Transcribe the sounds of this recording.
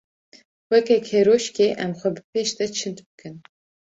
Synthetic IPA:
wɛkɛkheɾoːʃkeːʔɛmxʷɛbɨpʰeːʃd̪ɛt͡ʃʰɨnt̪bɨkɨn

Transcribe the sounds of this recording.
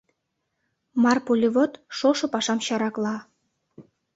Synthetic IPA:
mɑrpolʲiβot̪ʃoʃŏpɑʃɑmɕɑɾɑklɑ

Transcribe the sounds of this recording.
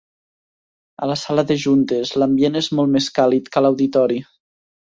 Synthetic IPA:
ə̰ləsaləðəʒunt̪əzləmbienezmɔlˠt̪meskalit̪kəlawðit̪ɔɾi

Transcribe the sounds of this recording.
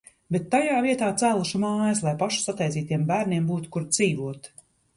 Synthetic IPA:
bet̪ːajaːviɛt̪aːt̪sæːlˠuʃumaːjɐslˠajpaʃu̥sat̪ɛjt̪iːt̪iɛmbæːɾniɛmbuːt̪u̥kuɾd̪z̥iːvuɔt̪

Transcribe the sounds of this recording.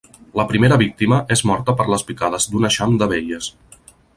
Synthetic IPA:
ləpɾimeɾəβik̚t̪iməʔezmɔɾt̪əpəɾləspikað̞əzd̪unəʃamd̪əβ̞eʎəs

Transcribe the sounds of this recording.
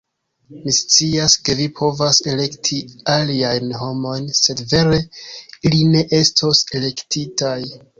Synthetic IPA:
mist͡siaske̞vipʰo̞vase̞le̞ktʰialiajnɦo̞mo̞jnse̞dve̞ɾe̞iline̞ʔe̞stʰo̞se̞le̞ktʰitaj

